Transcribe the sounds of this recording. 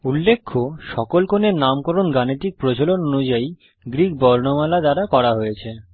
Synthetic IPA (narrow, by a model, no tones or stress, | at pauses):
ulːekʰːoʃɔkolkʰoneɾnamkɔɾonɡaniʈik̚pɾot͡ɕolononud͡ʑai | ɡɾik̚bɔɾnomalad̪aɾakɔɾaɦojet͡ɕʰe